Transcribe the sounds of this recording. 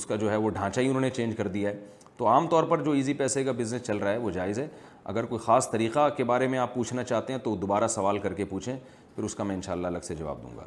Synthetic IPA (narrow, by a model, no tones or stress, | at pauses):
ʊskad͡ʒoːɦɛʋoɖʱãːt͡ʃaːiʊnɦõːnet͡ʃẽːnd͡ʒkɐɾd̪ijaɦɛː | t̪oaːmt̪ɔːɾpɐɾd͡ʒoːiːzipɛːsekabɪznəst͡ʃɐlɾaaɦɛʋod͡ʒaːɪzɦɛː | ɐ̰ɡəɾkoːixaːst̪ɐɾiːqakebaːɾemẽaːpːuːt͡ʃʰnat͡ʃaːɦt̪ẽɦɛ̃t̪od̪oːbaːɾasɐʋaːlkɐɾkepuːt͡ʃʰẽ | pʰɪɾʊskamɛ̃ːɪ̃nʃaːlːalɐɡsed͡ʒɐʋa̰ːb̚d̪ṵ̃ːŋɡa̰ː